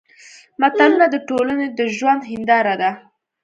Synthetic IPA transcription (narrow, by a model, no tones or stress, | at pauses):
mat̪alunad̪əʈolaned̪əʒwand̪ɦɪnd̪ɑɾad̪a